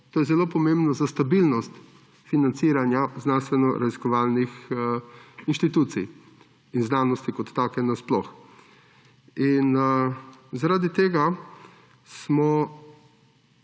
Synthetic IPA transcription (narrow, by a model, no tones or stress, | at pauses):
t̪oːjɛzɛloːpɔmẽmbnɔzast̪abilnɔst̪ | finant̪siːɾanjaznanst̪ʋɛnɔɾʔaziskɔʋaːlnix | inʃt̪it̪uːt̪sḭj | inznaːnɔst̪ikɔt̪ːaːkɛnasplɔx | in | zaɾaːd̪it̪eːɡa | smɔ